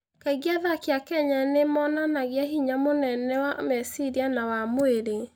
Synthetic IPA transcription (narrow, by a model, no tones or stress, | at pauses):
kaiɣiaðakjakɛɲanemɔnanaɣjaɦiɲamonɛnɛwamɛsiɾianawamoeɾe